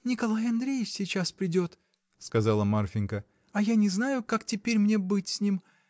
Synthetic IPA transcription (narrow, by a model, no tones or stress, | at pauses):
nʲɪkɐlˠajɐnd̪ɾʲejɪfsʲɪt͡ɕaspɾʲɪdʲo̞t̪ | skɐzalˠəmarfʲɪnkə | ɐjanʲɪznajʊkaktʲɪpʲeɾʲmnʲe̞bɨtʲsʲnʲim